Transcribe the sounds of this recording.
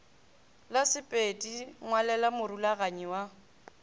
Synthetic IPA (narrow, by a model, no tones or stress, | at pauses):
lasɪpʼetʼiŋwalɛlamʊɾulaɣaɲiwa